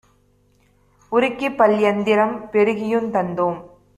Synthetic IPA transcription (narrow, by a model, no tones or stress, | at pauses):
ʊɾɪkːipːɐljɐnd̪ɪɾɐmpɛɾɯɣɪjɯmt̪ɐnd̪oːm